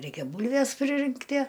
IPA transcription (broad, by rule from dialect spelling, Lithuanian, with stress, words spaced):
ˈrʲɛɪkʲɛ ˈbuːlʲʋʲɛs pʲrʲɪˈrʲɪŋktʲiɛ